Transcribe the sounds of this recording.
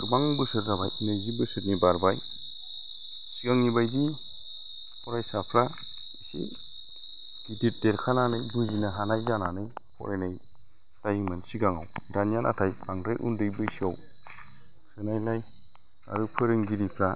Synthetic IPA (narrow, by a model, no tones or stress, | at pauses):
baŋbɯsɯɾdaba̰jnɯjzibɯsɯt̚nibaɾbaj | siɡaŋibajdi | pʰɔɾajsapʰɾa | isḭ | ɡ̥idit̚deɾkʰananɯjbuzinaɦanajzananɯjpʰɔ̰ɾenaj | lajmɯnsiɡaŋa̰wdanijanʔa̰tʰajb̥aŋdɾajʔṵndɯjbɯjsia̰w | sɯnajlaj | a̰ɾɯpʰɯɾɯŋɡiɾipʰɾa